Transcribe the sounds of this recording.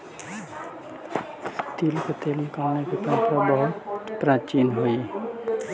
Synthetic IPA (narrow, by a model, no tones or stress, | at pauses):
t̪iːlkot̪elmkaːñekit̪ãːt̪ɾabəɦʊt̪pɾãːt͡ʃiːnɦoi